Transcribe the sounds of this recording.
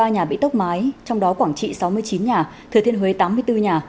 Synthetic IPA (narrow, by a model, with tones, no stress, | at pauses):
aː˧ɲaː˨˩ɓḭ˧˥t̪ə˦˥k͡p̚maː˨˦jt͡ɕɔ˧wŋ͡mɗɔ˨˦kwaː˧˩ŋt͡ɕḭ˧˨sa˨˦wmɨ˧əjt͡ɕi˨˦nɲaː˨˩t̪ʰɨ˨˩ət̪ʰi˧ənhwe˨˦t̪aː˨˦mɨ˧əjt̪ɨ˧ɲaː˨˩